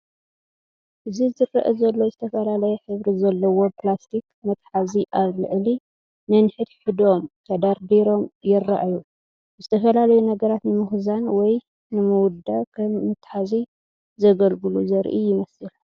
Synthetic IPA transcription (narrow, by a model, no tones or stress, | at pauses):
ʔɨzizɨrɐ̰ʔɐzɐlːo̞zɨt̪ʰɐfɐlalɐjɛħɨβɾizɐlːɐwo̞plast̪ʰikmɐt̪ħaziʔaβlɨ̰ʕli | nɐnħɨd̪ħɨd̪o̞mt̪ʰɐd̪aɾd̪eɾo̞mjɪraʔaju | zɨt̪ʰɐfɐlalɐjunɐɡɐɾat̪nɨmɨxzanwɔj | nɨmɨwʊd̪akʰɐmːɨt̪ħazi | zɐɡɐlɡɨluzɐɾʔḭjɪmɐsɨl